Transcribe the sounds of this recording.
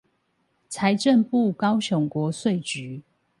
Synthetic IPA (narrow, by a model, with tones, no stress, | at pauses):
t͡sʰa˨˦ɪʈ͡ʂə˥˨npu˥˨kɑ˦ʊɕjɔ˨˦ŋkwɔ˨˦swe˥˨ɪt͡ɕy˨˦